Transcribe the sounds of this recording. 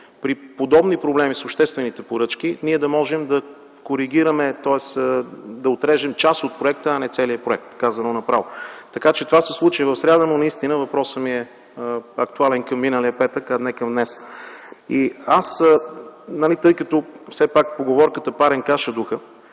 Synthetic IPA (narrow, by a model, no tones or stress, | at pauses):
pɾipod̪ɔbnipɾoblɛmisoʃt̪ɛst̪vɛnit̪ɛpoɾɤt͡ʃk̟iniɛd̪ɐmɔʒɛmd̪ɐ | koɾiɡ̟ʲiɾəmɛt̪ɔɛsd̪ɐot̪ɾɛʒɛmt͡ʃasot̪̚pɾoʊɛk̚t̪əɐnɛt̪sɛliəpɾoɛk̚t̪kazɐnonɐpɾavot̪ɐkat͡ʃɛt̪ovasɛslˠut͡ʃivɐfsɾʲad̪ənonɐist̪inəvɐpɾɔsəmiɛ | ɐk̚t̪ualɛnkɐmːinəliəpɛt̪əkanɛkɐmd̪nɛs | iasənɐlit̪ɤjkət̪ɔfsɛpakpoɡovɔɾkət̪əpaɾɛnkaʃəd̪uxə